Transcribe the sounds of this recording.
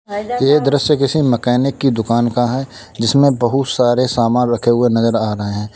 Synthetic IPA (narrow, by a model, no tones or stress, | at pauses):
jeːd̪ɾəsjəkɪsimɐkɛːnɪkːid̪ʊkaːnkaɦɛː | d͡ʒɪsmẽbɐɦʊt̪saːɾesaːmaːnɾɐkʰeɦʊenɐzəɾaːɾɐɦeɦɛ̃ː